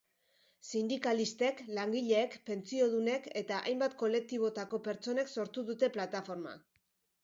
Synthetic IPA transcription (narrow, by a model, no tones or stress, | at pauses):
sind̪ikalist̪e̞klaŋɡiʎe̞ːkpe̞nt͡sio̞ð̞une̞ke̞t̪aʔa̰jmbat̪̚ko̞le̞k̚t̪iβ̞o̞t̪ako̞pe̞ɾt͡so̞ne̞kso̞ɾt̪uðut̪e̞plat̪afo̞ɾma̰